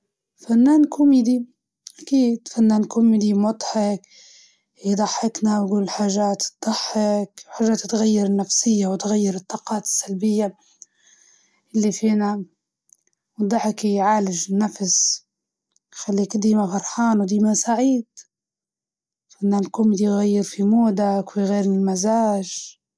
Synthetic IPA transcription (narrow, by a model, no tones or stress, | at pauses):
fanːaːnkʰʊmid̪i | ʔakiːd̪fanːaːnkʊmid̪imɑd̪ˤħɪk | id̪ˤɑħːɪknawɡuːlħaːʒaːt̪d̪̥ˤɑħːɪkwħaːʒːaːt̪t̪ɣajːɪɾɪnːafsɪjːawɪt̪ɣajːɪɾɨt̪ˤːɑːqɑːt̪ɪ̥sːalbɪjːa | ʔɪlːifiːna | wɨd̪ˤːɑħɪkhijʕaːlɪʒɪnːafs | xalːiːkd̪iːmafɑɾˤħɑːnwd̪iːmasaʕiːd̪̥ | fanːalkʊːmɪd̪ijɣajːɪɾfimuːd̪akwiɣeːɾnilmazaːʒ